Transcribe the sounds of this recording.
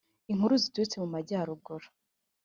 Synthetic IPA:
iŋ̥huɾuzituɾit͡semumaɟaːɾuɡoɾo̥

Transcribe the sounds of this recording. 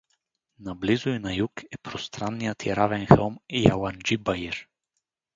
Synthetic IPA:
nablizʊinajukɛpɾost̪ɾanːijət̪iɾavɛnxɛlˠmjaland͡ʒibaiɾ

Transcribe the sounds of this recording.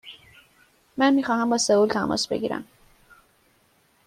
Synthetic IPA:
mænmiːxɒːhæmbɒːseuːlt̪ʰæmʔɒ̰ːsbḛɡiːɾæ̰m

